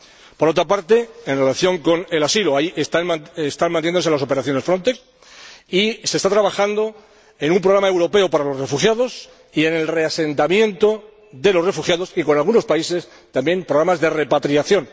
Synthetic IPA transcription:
po̞ɾo̞t̪ɾapaɾt̪e̞enre̞laθjo̞ŋko̞ne̞lasiloaiʔest̪aast̪anmant̪jend̪oelaso̞peɾaθjo̞ne̞sfɾo̞nt̪eks | ise̞st̪at̪ɾaβaxand̪o̞ | e̞numpɾoɾamaewɾo̞pe̞opaɾalo̞sre̞fuxjaðo̞s | ie̞ne̞lre̞ase̞nt̪amjẽ̞nt̪o̞ | ðe̞lo̞sre̞fuxjaðo̞siko̞nalɣ̞uno̞spaise̞s | t̪ambje̞mpɾo̞ɣɾamazðe̞re̞pat̪ɾiaθjo̞n

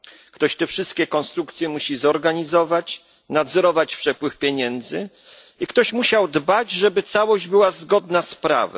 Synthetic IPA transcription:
kt̪ɔɕt̪ɛfʂɘst̪̚kʲɛkɔnst̪ɾukt̪sʲjɛmuɕizɔɾɡaɲizɔvat͡ɕ | nad̪zɛɾɔvat͡ɕpʂɛpwɘfpʲjeɲɛnd̪zɘ | ikt̪ɔɕmuɕawd̪bad͡ʑʐɛbɘt̪sawɔʑd͡ʑbɘwazɡɔd̪naspɾa̰vɛ̰

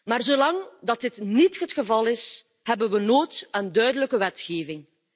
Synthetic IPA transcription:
maːrzoːlɑŋdɑt̚ɪtnitɦətxəvɑlɪs | hɛbənwənoːtəndœɥdələkəʋɛtxeːvɪŋ

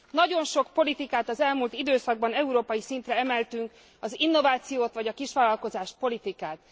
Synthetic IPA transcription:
nɒɟo̞nʃo̞kpo̞lit̪ikaːt̪ɒzɛlmult̪id̪øːsɒɡ̚bɒnɛuɾoːpɒjisint̪rɛɛmɛlt̪yŋk | ɒzinːovaːt̪sijoːt̪ʋɒɟɒkiʃʋaːlɒlko̞zaːʃpo̞lit̪ikaːt̪̚

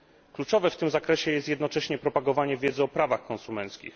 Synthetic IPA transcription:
klut͡ʂɔvɛft̪ɘmzakɾɛɕɛjɛst̪jɛd̪nɔt͡ʂɛɕɲɛpɾɔpaɡɔvaɲɛvʲjɛd̪zɘɔpɾavaxkɔnsumɛnt̪skʲḭx

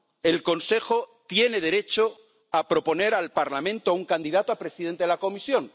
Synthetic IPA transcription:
e̞lko̞nse̞xo̞t̪je̞ne̞ðe̞ɾe̞t͡ʃo̞ | apɾo̞po̞ne̞ɾalpaɾlamẽnt̪oauŋkand̪iðat̪oapɾe̞siðe̞nt̪eelako̞misjo̞n

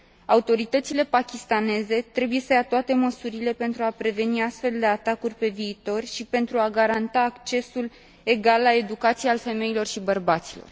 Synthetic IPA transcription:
aut̪o̞ɾit̪ət̪sile̞pakʲist̪ane̞ze̞t̪ɾe̞buje̞səjat̪oat̪e̞məsuɾile̞pe̞nt̪ɾuapɾe̞ve̞niast̪fe̞ld̪e̞at̪akurʲpe̞viːt̪o̞rʃipe̞nt̪ɾuaɡaɾant̪aːkt͡ʃe̞sul | e̞ɡalːae̞d̪ukat̪sijalfe̞me̞ilo̞rʃibərbat̪silo̞̰r

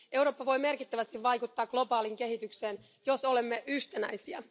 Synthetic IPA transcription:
ʔe̞wɾoːpːɑʋo̞jme̞rkit̪ːæʋæst̪iʋʋɑjkut̪ːɑːkɡ̥lo̞bɑːliŋke̞ɦit̪ykse̞ːn | jo̞so̞le̞mːeʔyht̪enæjsiæ̰

